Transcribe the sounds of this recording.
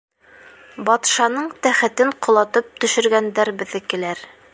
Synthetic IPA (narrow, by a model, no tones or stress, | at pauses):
bɑt̪ʃɑnɤɴt̪æχɘ̆t̪ɘɴqŏlˠɑt̪ɤp̚t̪ɵ̆ʃɵ̆ɾɡænd̪æɾbɘ̆ðːɘkɘ̆læɾ